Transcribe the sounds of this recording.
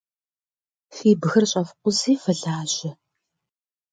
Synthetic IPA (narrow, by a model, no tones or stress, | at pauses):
fiːbɨɣɨrɕʼɐfqʷʊziːfɨɮaːʑɪ